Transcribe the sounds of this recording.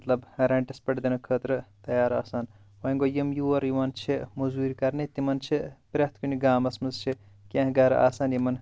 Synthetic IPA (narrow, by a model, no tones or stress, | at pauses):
t̪lɐbɾɐɳʈɐspɐʈd̪ɐnɨkʰəːt̪ɾɨt̪ɐjaːɾa̰ːsaːn | ʋɐːŋɡoːjimjuɐɾjiʋaːnt͡ʃʰimuzuːɾʲkɐɾnit̪imɐnt͡ʃʰipɾʲɐht̪ʰkuniɡaːmɐsmɐzt͡ʃʰi | kʲɐ̃ːɦɡɐɾa̰ːsaːnjimɐn